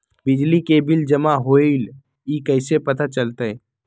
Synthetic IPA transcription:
bɪd͡ʒlikebɪld͡ʒəmaɦoːil | ikɛɪsepɐt̪at͡ʃəlt̪aɛ

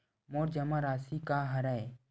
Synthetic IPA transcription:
moːɾd͡ʒɐmaɾaːsikaɦɐɾae

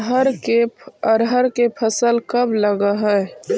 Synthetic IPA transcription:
ɦəɾkeəɾɦəɾkepʰəsəlkəbləɡəɦɛ

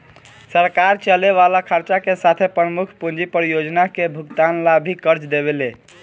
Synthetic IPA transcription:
səɾkaɾt͡ʃəleβalakʰəɾt͡ʃakesat̪ʰepɾəmukʰpund͡ʒipəɾjod͡ʒnakebʱukt̪anlabʱikəɾt͡ʃd̪eβele

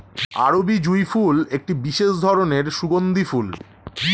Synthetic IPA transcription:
a̰ɾobid͡ʑujfulek̚ʈibiʃeʃd̪ʱɔɾoneɾʃuɡond̪iful

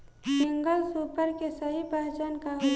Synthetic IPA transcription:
sɪ̃ŋɡəlsuːpəɾkesəɦipaːt͡ʃənkaɦo

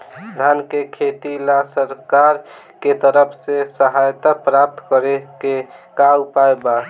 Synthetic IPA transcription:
d̪ʱankekʰet̪ilasəɾkaɾ | ket̪əɾəpʰsesəɦajt̪apɾap̚t̪kəɾekekaupaeba

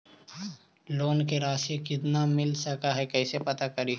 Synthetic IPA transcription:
loːnkeɾaːsekɪt̪namɪlsɐkaɦɛkɛːsepɐt̪akɐɾi

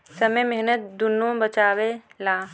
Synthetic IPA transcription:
səməmeɦnət̪̚d̪ʊnːõbət͡ʃaːwelaː

